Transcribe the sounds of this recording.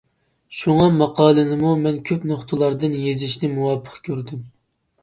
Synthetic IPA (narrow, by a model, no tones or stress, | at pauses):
ʃuŋɑmɑqɑːlˠɨnɨmumɛnkʲʰøpnoχt̪ʰɨlˠɑɾd̪ɨnjezɪʃnɪmuwɑpʰə̥qkʲʰøɾd̪ym